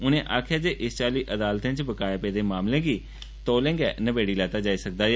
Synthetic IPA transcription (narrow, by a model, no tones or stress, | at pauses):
ʊnẽːʔaːkʰjaːd͡ʒeːʔɪst͡ʃaːliːʔəd̪aːlt̪ẽːt͡ʃbəkaːjaːpeːd̪eːmaːmlẽːɡiː | t̪oːlẽːŋɡɛːnəbeːɽiːlɛːt̪aːd͡ʒaːiːsək̚d̪aː